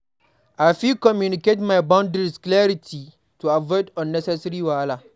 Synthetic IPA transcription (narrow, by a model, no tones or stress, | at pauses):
ʔajfikɔmjunɪketmajbaʊ̃ndɾisklɛɾitʰi | tuavɔdɔ̃nːɛsɛsɾiwala